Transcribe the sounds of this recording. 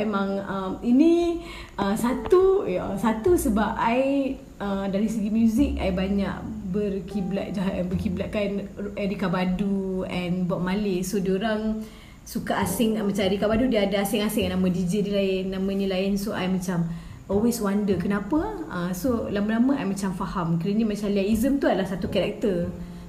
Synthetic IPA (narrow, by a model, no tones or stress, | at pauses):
emãŋəminĩ | əsat̪ujasat̪usəbap̚aj | ədaɾisəɡimjuzɪk̚a̰jbaɲa̰ʔbərkʰibla̰ʔ̪̚d͡ʒaɦaʔnbərkiblaʔ̚kanɛɾikabaduɛnbuaʔ̚malɪsodioɾaŋ | sukaʔasɪŋmat͡ʃamaɾikabadudiadaasɪŋasɪŋnãmə̃did͡ʒidilaɪnːãmə̃nĩlaɪnsoʔa̰jmãt͡ʃam | ɔlweswandəkənãpəəsolamãlamə̃ajmãt͡ʃamfahamkəɾəɲamãt͡ʃamliaʔizəmt̪uadalahsat̪ukaɾɛk̚t̪ər